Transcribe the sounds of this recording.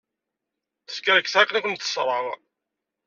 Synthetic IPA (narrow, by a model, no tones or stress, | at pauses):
θə̥skaɾəkθʕaknækʷənt̪θə̥sˤɾˤəʁ